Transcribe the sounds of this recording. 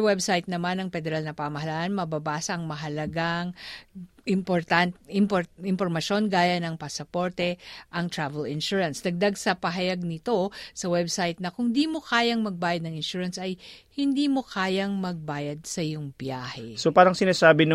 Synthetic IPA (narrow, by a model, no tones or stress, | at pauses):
ɐwɛbsajt̪̚nɐmanɐŋpɛd̪ɛɾalnɐpamɐɦɐlaːʔanmɐbɐbaːsɐʔɐŋmɐɦɐlɐɡaŋ | ʔɪmpoɾt̪anɪmpoɪmpoɾmɐʃo̞nɡaːjɐnɐŋpɐsɐpo̞ɹt̪ɛʔɐŋt̪ɹavɛlɪnʃuɹɐnsd̪ɐɡ̚d̪aɡsɐpɐɦɐjaɡ̚nɪt̪o̞sɐwɛbsajt̪̚nɐkʊŋd̪imo̞kaːjɐŋmɐɡ̚baːjɐd̪̚nɐŋɪnʃuːɹɐnsɐjhɪnd̪iːmo̞kaːjɐŋmɐɡ̚baːjɐd̪̚sɐɪjoŋbɪjaːhɛsopaːɾɐŋsɪnaːsaːbɪn